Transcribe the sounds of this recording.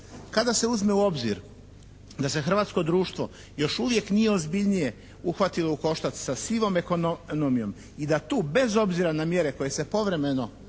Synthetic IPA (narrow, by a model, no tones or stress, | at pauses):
kad̪ase̞uzme̞uo̞bzḭɾ | d̪asexr̩ʋaːt̪sko̞d̪ɾuːʃt̪ʋo̞̰ | jo̞ʃuʋje̞knije̞ozbiʎnije̞ | uxʋat̪ilouko̞ʃt̪at̪sasiʋo̞mekonnomijo̞m | id̪at̪uːbe̞zo̞bziɾanamje̞ɾe̞ko̞je̞se̞po̞ʋɾe̞me̞no̞